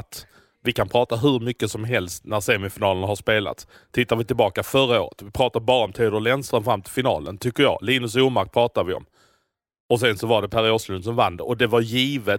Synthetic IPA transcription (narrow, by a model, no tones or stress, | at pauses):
t̪ | vɪkanpʰɾɑːt̪aɦɵɾmʏkːəsɔmɦɛlst̪næɾseːmɪfɪnɑːlənɦaʂpeːla̰t̪s | t̪ʰːɪt̪ːaɾvɪt̪ɪlbɑːkafœɾao̰ːɾə̰t̪vɪpʰɾɑːt̪abɑːɾaɔmt̪ʰiːd̪əlɛnst̪ɾanfɾamːt̪ʰɪlfɪnɑ̰ːlə̰nt̪ʰʏkːəɾjɑ̰ːliːnɵs̬uːmaɾk̚pʰɾɑːt̪avɪɔ̰m | ɔs̬ɛnsɔvaɖɛpʰæɾɪoːʂlɵnsɔmvand̪ə̰ɾʔɔd̪ɛvaɾjiːvə